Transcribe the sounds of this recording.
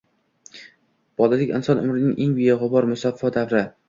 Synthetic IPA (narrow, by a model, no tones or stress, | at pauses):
b̥ɒlɪlɪkʲɪ̰nsɒnʊ̰mɾɪnɪŋʔeŋbijaʁɒbɒɾmʊsafːɒd̪avɾɪ